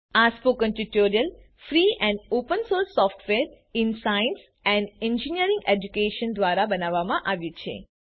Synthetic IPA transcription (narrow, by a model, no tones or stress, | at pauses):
aspokə̃nʈuʈoɾijəl | fɾiɛ̃ɳɖopənsoɾsːɔfʈʰʋeɾ | ɪnsains | ɛ̃ɳɖɛ̃ɲd͡ʒiniəɾĩŋɡed͡ʒukeʃənd̪ʋaɾabənaʋːamãʔaʋjũt͡ʃʰḛ